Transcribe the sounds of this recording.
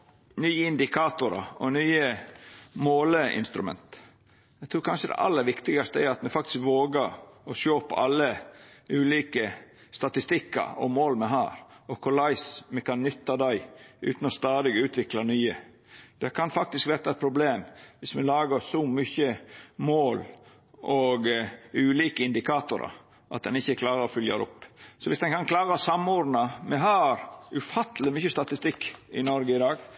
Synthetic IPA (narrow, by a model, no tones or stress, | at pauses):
nyːəɪnd̪ɪkʰɑːt̪ʊɾɑ̰ɔnyːə | moːləɪ̰nst̪ɾʉmɛ̰nt̪ | æt̪ʰɾuːɾkʰɑnʂəd̪ɛ̰ʔɑ̰lːəɾʋɪkt̪ɪɡɑst̪əɛɾɑt̪mɛfɑk̚t̪ɪ̥skʋoːɡəɾɔʃøːpɑ̰lːəʉːliːkə | st̪ɑt̪ɪst̪ɪkːɑ̰ɾɔ̰moːlmɛɦæːɾɔkʰʊɾɭɑɪsmɛkʰɑnːʏt̪ːɑd̪æɪʔʉ̰ːt̪n̩ɔst̪ɑːd̪ɪɡʉːt̪ʰʋɪklɑnyːə | d̪̥ɛkʰɑnfɑk̚t̪ɪskʋɛːɾt̪ɑɛt̪̚pʰɾʊbleːmʋɪsmɛlɑːɡəsɔmyçəmoːl | ɔɡʉːliːkəɪnd̪ɪkʰɑːt̪ʊɾɑ̰ | ʔɑ̰t̪̚d̪ɛnɪçːəkʰlɑːɾəɾɔfʏljɑ̰d̪ɛ̰ʊpːsɔʋɪsd̪ɛnkɑnkʰlɑːɾəɔsɑmɔd̪nɑmɛɦæːɾʉfɑt̪ʰːlɪmʏçəst̪ɑt̪ɪst̪ɪkːɪnɔɾɡəɪd̪ɑːɡ